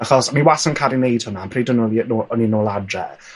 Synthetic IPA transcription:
aχɔsmiwasənkʰaɾinejd̥hʊnanpʰriːdənɔlinːɔninoːladrɛ̰

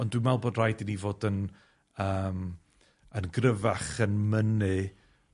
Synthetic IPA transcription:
ɔndwimɛlˠboːdrajdinivoːdən | əːm | ənɡrəvaχənmənɨ

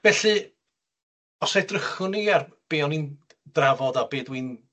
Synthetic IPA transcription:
vɛɬɨ | ɔsajdrəχʊniar | b̥eːɔnin | d̥ravɔdabeːdwin

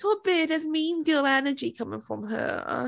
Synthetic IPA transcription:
sɔbɪəzmĩnɡɪlˠɛnəd͡ʒikʰʌmɪ̃ŋfɹə̰̃mə̰

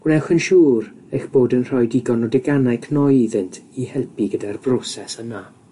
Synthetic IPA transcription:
ɡ̥nɛxənʃuːɾ | əjxb̥oːdənr̥ɔjdiɡɔnɔdɪɡanajkʰnɔjiðɪntʰihɛlˠpʰiɡədarbrɔsɛsəna

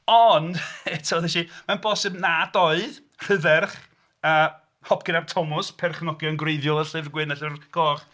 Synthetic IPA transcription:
ɔnd̥ɛtʰoːðɛʃimanbɔsɪbnadɔɨð | r̥əðɛrχ | əː | hɔpʰɡ̥ɪnartʰɔmʊspʰɛrχnɔɡjɔnɡrejðjɔlˠəɬɪvrɡwɪnəɬɪvrɡ̥ɔːχ

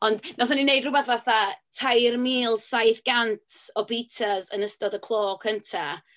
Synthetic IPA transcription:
ɔndnɔθaninejdrʊbɛθvaθatʰajrmiːlˠsajθɡ̥antʰɔpitʰazənəstɔdəkʰlˠoːkʰəntʰa

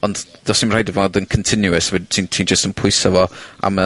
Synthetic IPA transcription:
ɔndd̥ɔsimrajdəvɔndənkʰəntʰɪnjuəsvɛtʰintʰiːnd͡ʒəstənpʰʊɨsavɔa̰mə

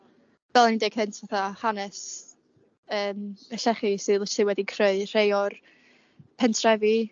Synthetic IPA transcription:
vɛlˠənideɡ̥hɨntʰvaθahanɛs | əːməɬɛχisɨðətɨwɛdikʰrəɨr̥ejɔr | pʰɛntʰrɛvi

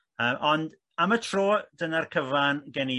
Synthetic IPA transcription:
əːmʔɔnd | amətʰroːdənarkʰəvanɡɛni

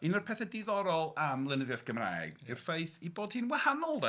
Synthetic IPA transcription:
inɔrpʰɛθɛdɪðɔɾɔlˠamlˠənəðjaθɡ̥əmra̰ːɛ̰ɡɪrfejθiboːd̥hinwahanɔlˠd

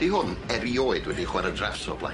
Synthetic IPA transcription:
d̥iɦʊnɛɾioːɨdwɛdiχwaɾədrasɔ̰blˠa̰

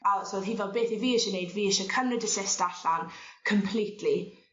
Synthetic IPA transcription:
asoːðɦiːvɔbeːθiviːɪʃənejdviːɪʃəkʰənrɛdəsɪstaɬankʰəmpʰlˠiːtʰli

